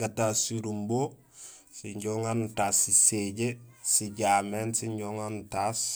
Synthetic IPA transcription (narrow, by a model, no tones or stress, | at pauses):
ɡatasiɾumbo | siɲɟoŋantasiseɟesiɟamensiɲɟoŋantas